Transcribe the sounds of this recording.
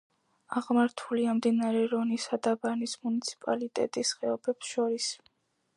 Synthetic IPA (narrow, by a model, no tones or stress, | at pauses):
aʁmaɾt̪ʰuliamd̪inaɾɛɾɔnisad̪abanismunit̪sʰi̥pʼa̰lit̪ʼɛ̰t̪ʼisχɛɔbɛpsʃɔɾis